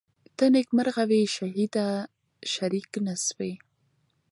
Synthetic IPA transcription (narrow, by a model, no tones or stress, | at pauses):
t̪ənɪkmaɾɣaweʃaɦid̪a | ʃaɾiknaswe